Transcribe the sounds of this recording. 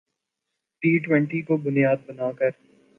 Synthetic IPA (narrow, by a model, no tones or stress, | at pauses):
ʈiːʈwɛ̃ɳʈikobʊnijaːd̪̚bɐnaːkəɾ